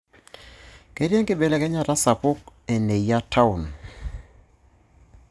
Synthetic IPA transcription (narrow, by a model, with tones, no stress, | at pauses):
ke˦ɾje˦ŋkɪ˦be˨le˦kɛ˦ɲa˦˨ta˦sa˨pʊ˦ke˨ne˨ija˦tʰa˦ʊ˨n